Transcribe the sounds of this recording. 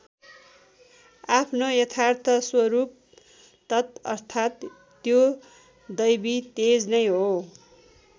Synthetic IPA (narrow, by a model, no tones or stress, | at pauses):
apʰnojʌt̪ʰart̪ʰʌswʌɾup̚ | t̪ʌt̪ʌrt̪ʰat̪ː | jo | d̪ʌjbit̪ed͡znʌjɦo